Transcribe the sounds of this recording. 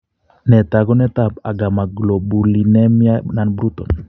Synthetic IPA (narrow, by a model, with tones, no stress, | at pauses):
nɛ˨t̪aɡɔ˦nɛ˦t̪a˦˨pa˨ɡa˨ma˨ɡlɔ˨bu˨li˨nɛ˦mia˦na˨nbɾu˦t̪ɔ˨n